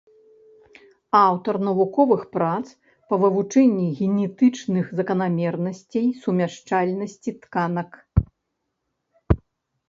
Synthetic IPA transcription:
awt̪ɐrnɐvukɔvɨxpɾat̪s | pɐvɨvut͡ʂɛnʲːiɣʲɛnʲɛt̪ɨt͡ʂnɨxzɐkɐnamʲɛrnɐsʲt͡sʲejsumʲaʂt͡ʂalʲnɐsʲt͡sʲit̪kanɐk

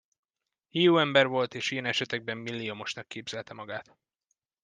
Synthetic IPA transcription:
hijuːɛmbɛrvo̞lt̪eːʃijɛnɛʃɛt̪ɛɡ̚bɛmːilːiomo̞ʃnɒkːeːbz̥ɛlt̪ɛmɒɡaːt̪

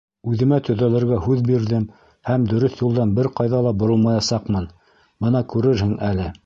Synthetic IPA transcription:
ʉðɘ̆mæt̪ɵ̆ðælɘ̆ɾɡæɦʉðbiɾðɘm | hæmd̪ɵ̆ɾɵθjulˠd̪ɑnbɘɾqɑjðɑlˠɑbŏɾɤlˠmɑjɑsɑqmɤn | bɤnɑkʉɾɘɾhɘŋʔælɘ

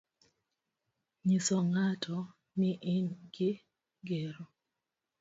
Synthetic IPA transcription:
ɲisɔŋatʰɔ | nɪʔɪnɡɪ | ɡeɾɔ

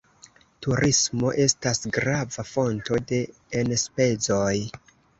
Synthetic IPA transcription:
tuɾʔismo̞ʔe̞stasɡɾavafo̞nto̞de̞ː | nspe̞zo̞j

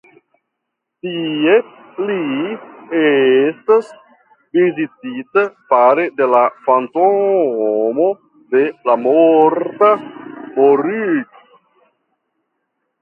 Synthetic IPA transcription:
tie | li | estas | vizititapaɾe̞de̞lafanto | mo̞ | de̞lamoɾtamoɾyk

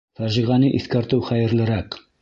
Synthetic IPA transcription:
fæɾʒiʁænɘʔiθkæɾt̪ɘwχæjɘ̆ɾlɘ̆ɾæq

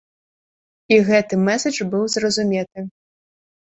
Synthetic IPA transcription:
iɣɛt̪ɨmɛsɐt͡ʂbɨwzrɐzumʲɛt̪ɨ

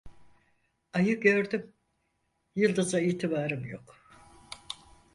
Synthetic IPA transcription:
ajɯk̚ɟø̞ɾd̪ym | jɯlˠd̪ɯzaiːt̪ʰibaːɾɯmjo̰k

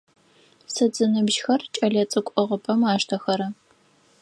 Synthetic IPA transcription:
sɨd͡zɨnɨbʒxɐrt͡ʃʼɐɮɐt͡sʼɨkʷʼɔʁəpʼɐmaːʃtʰɐxɐɾɐ

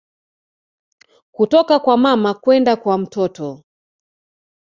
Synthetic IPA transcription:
kutɔkakwamamakwɛndakwam̩tɔtɔ

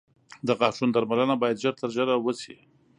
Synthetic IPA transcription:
d̪aɣɑʈ͡ʂund̪aɾmalənabɑjad̪ʒəɾt̪əɾʒəɾawət͡si

